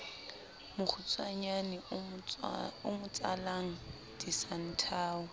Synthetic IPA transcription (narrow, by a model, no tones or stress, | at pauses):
mʊk͡xʰʊt͡sʼwaɲanɪ | ʊmʊt͡sʼalaŋ̩ | d̥isan̩tʰaːʊ